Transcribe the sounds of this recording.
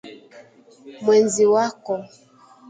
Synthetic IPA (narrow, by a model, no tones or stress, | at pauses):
mwɛnziwakɔ